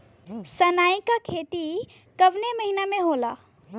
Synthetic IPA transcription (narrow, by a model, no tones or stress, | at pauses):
sənaːikakʰeːt̪i | kəbneməɦinamẽɦola